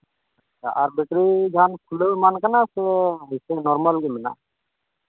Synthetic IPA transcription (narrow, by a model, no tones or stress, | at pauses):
at͡ʃːʰa̰ʔaɾbɛʈɾid͡ʒʱankʰuləwmankanasɛɦisɛnɔɾmalɡimɛna̰